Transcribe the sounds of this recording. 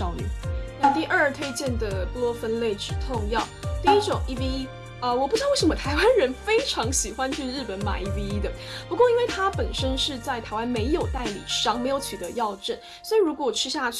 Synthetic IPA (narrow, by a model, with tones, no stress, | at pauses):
ɑ˥ʊny̰˨˩na˥˧t̪i˥˧ʔə˞˥˩t̪ʰwe˥ɪt͡ɕjɛ˥˩nd̪ə˩plɔ˥fə˥nle˥˩ɪʈ͡ʂɻ̩˨˩t̪ʰʊ˥˧ŋjɑ˥˩ʊt̪i˥˧i˥ʈ͡ʂʊ˨˩˦ŋi˥˩vi˥i˥ | ə˧wɔ˨˩pu˥˩ɻ̩˧˥˧wʂə˧˦mə˧t̪ʰa˧˥ɪwa˦nɻə˧˥nfe˥ɪʈ͡ʂʰɑ˧˥ŋɕi˨˩xwa˦˥nt͡ɕʰy˥˧ɻ̩˥˩pə˧˥nma̰˨˩i˧˩vi˧˥i˥d̪ə˨ | pu˧˥kwɔ˥˧i˥nwe˥˩ɪt̪ʰa˥pə˨˩nʂə˥nʂɻ̩˥˧t͡sa˥˩ɪt̪ʰa˧˥ɪwa˥nme˧˥ɪjo˨˩ʊt̪a˥˩ɪlḭ˨˩ʂɑ˥ŋme˧˥jo˧˩ʊt͡ɕʰy˨˩t̪ə˧˦jɑ˥˧ʊʈ͡ʂə˥˩n | swɔ˧˥i˨˩ɻu˧˥kwɔ˨˩˨ʈ͡ʂʰɻ̩˥ɕja˥˧